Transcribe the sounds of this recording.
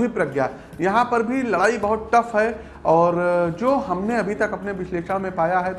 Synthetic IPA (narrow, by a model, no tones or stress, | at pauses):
ipɾɐɡjaː | jɐɦãpɐɾbʱilɐɽaːibɐɦʊt̪̚ʈɐfɦɛ | ɔːɾd͡ʒoːɦɐmneɐbʱit̪ɐkɐpneʋɪʃleːʃəɽ̃mẽpaːjaɦɛt̪